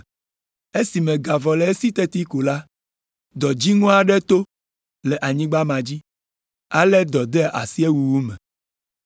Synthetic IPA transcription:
e˦si˨mẽ˨ɡa˨vɔ˨lɛ˨˦e˦si˦t̪e˦t̪i˦ko˨la˦ | d̪ɔ˨d͡ʑi˦ŋɔ̃˦a˨ɖɛ˦t̪o˦ | lɛ˨ʔa˨ɲĩ˦ɡ͡ba˦mã˨d͡ʑi˦ | a˦lɛ˦d̪ɔ˨d̪ɛ˦a̰˨si˦e˦wu˨wu˦mɛ̃˨

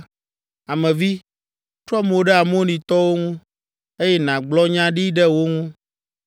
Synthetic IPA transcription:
a˨mɛ̃˨vi˦ | t̪ɾɔ˦m˨o˦ɖɛ˦a˨m˦o˦nĩ˨t̪ɔ˦wo˦ŋũ˦ | e˦jɛ˦nã˨ɡ͡blɔ˦ɲã˦ɖi˦ɖɛ˦wo˦ŋũ˦

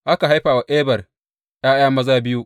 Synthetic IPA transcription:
ʔa˦ka˨ɦa˦jɸaː˨wa˨ʔeː˦bɐ˨r | jaː˦jaː˦mɐ˦zaː˦bɪ˦ju˦

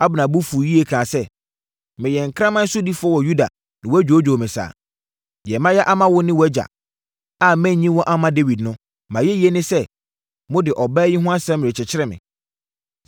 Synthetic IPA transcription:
a˦bɪ˨nã˨bʊ˦fu˨ji˦e˦kʰãː˨sɛ˦˨ | mɪ̃˨jɛ˨ŋ̩˨kʰɾã˦mã˦n̩˦sʊ˦di˦fʊ˦ɔ˦wɔ˨ju˦da̰˨ | nɪ̃˨wɔ˦æ˦d͡ʑᶣo˨˦d͡ʑᶣo˨mɪ̃˨sa̰ː˨ | jɛ˨mã˦jɛ˦ʔa˦mã˦wʊ˦nɪ̃˦wɔ˨˦æ˦d͡ʑa̰˨ | a˨mɛ̃˦˨ɲɲĩ˦wɔ̃˦ʔa˦mã˦de˦wi˨dnʊ̃˦ | mã˨jɛ˦ji˨˦ɛ˦nɪ̃˦sɛ˦ | mʊ̃˦dɪ˨ʔɔ˨bɛː˦jɪ˦ɦʊ̃˦a˦sɛ̃˦mɪ̃˨ɾɪ˨t͡ɕʰɪ˨t͡ɕʰɪ˦ɾɛ˦˨mɪ̰̃˨

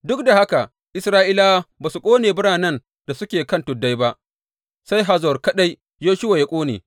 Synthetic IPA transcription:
dʊ˦k̚da˨ha˦ka˨ | ʔɪ˦sɾaː˦ʔiː˦la˦baː˨su˨kʷʼoː˦neː˨bʊ˦ɽaː˨nɐ˦n | d̥a˨sʊ˦kʲeː˨kɐ˦ntʊ˨dːa˦jba˦ʔ | sa˦jɦa˨zɔ˨rkɐ˦ɗa˦j | joː˦ʃʊ˦wa˨ja˦kʷʼoː˦nḛː˨

